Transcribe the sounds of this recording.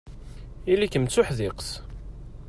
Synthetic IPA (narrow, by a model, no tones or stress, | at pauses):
ilikəmt͡sːʊħðɪqs